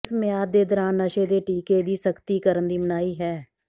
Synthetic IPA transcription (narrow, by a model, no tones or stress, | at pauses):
smɪjaːd̪eːd̪ɔɾaːnːəʃeːd̪eːʈiːkeːd̪iːsəkʰt̪iːkəɾənd̪iːmənaːiːɦɛː